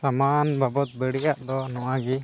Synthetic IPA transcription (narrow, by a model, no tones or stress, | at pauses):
samanbʱabɔt̪̚bəɽiʔaʔd̪ɔnɔwaɡi